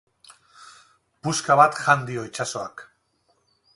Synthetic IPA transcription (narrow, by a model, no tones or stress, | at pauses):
puskaβat̪ʝand̪io̞it͡ʃasoa̰k